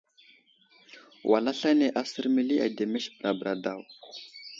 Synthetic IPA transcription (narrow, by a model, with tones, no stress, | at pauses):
wʔa˨la˦ɬa˦ne˨ʔa˨sə˦ɾmi˦li˦a˨de˨me˦ʃpɾa˨bɾa˨da˨w